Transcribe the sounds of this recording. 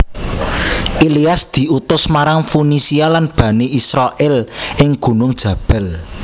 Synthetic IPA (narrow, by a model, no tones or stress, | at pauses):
ʔiliasd̪̥i̤ʔut̪ʊsmaɾaŋfunisialanb̥ä̤neʔisɾaʔɪlʔɪŋɡ̥ṳnʊŋd̥ʒ̥ä̤b̥ɛl